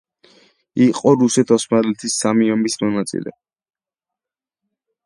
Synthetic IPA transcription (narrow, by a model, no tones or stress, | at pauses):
iqʼɔɾusɛt̪ʰɔsmalɛt̪ʰisːamiɔmbismɔnat̪sʼḭlɛ̰